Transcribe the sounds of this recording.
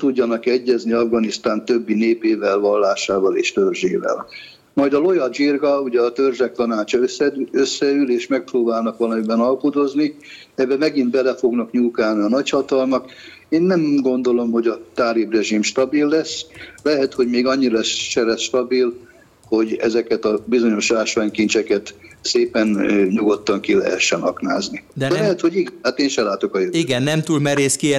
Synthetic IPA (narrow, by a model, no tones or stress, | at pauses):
t̪uɟːɒnɒkɛɟːɛzniɒvɡɒnist̪aːnt̪ø̞bːineːpeːvɛlvɒlːaːʃaːvɒleːʃt̪ørʒeːvɛ̰l | mɒjd̪ɒlo̞jɒd͡ʒirɡɒuɟɛɒt̪ørʒɛk̚t̪ɒnaːt͡ʃɒsɛøsːɛyleːʃmɛk̚proːbaːlnɒkʋɒlɒmibɛnɒlpud̪o̞zni | ɛbːɛmɛɡind̪bɛlɛfo̞ɡnɒkɲuːlkaːlniɒnɒchɒt̪ɒlmɒk | eːnːɛmɡo̞nd̪o̞lo̞mho̞ɟɒt̪aːɾibrɛʒimʃt̪ɒbilːɛsːlɛɦɛt̪ho̞ɟmeːɡɒɲːilɛsʃɛlɛsʃt̪ɒbil | ho̞ɟɛ̰zɛkɛt̪ɒbizo̞ɲo̞ʃlaːʃʋaːɲkint͡ʃɛkɛt̪seːpɛnøɲuɡo̞t̪ːɒŋkilɛ̰ɦɛʃːɛnɦɒkna̰ːzni̥ɛlɛɦɛt̪ho̞ɟiɡɛnaːt̪eːnʃɛlaːt̪o̞kɒjøiɡɛnːɛmt̪uːlmɛɾeːski